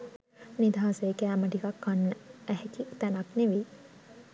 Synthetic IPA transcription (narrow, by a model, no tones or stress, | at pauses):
nid̪ʱaːseːkæːməʈikakːanːəæhekit̪ænakneʋi